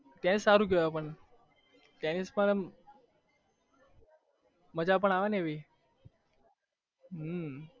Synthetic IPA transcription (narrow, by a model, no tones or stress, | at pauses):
t̪janisaɾukeʋapəɳ | t̪janispəl | məd͡ʑap̬əɳaʋaneʋi | ə